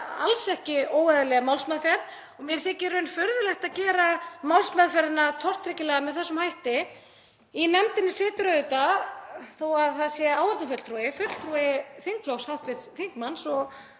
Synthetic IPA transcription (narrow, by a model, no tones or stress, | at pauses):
a̰lsɛhcɪoːwaðʏlɛɣamawlsmɛðfɛɾt̪ | ɔmjɛɾ̥θɛːcɛːɾʏʏnfœɾðʏlɛhxt̪aðcɛːɾamawlsmɛðfɛɾðɪnat̪ʰɔr̥t̪ɾɪcɪlɛɣamɛðθɛsːʏmhajht̪ɪ | inɛmt̪ɪnːɪsɛːt̪ʏɾœðʏt̪a | θowaðθaðsjɛaːwvaɾt̪nafœt̪lt̪ɾuːɪfœt̪l̥t̪ʰɾuːɪθiŋk̚fʰlowshawht̪vɪt̪sθiŋkmansɔɣ